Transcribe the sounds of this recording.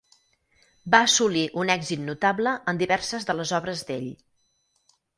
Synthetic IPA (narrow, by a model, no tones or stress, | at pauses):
baəːsuliʔunɛɡzit̪nut̪abləʔənd̪iβɛɾsəzðələzɔβɾəzd̪ḛʎ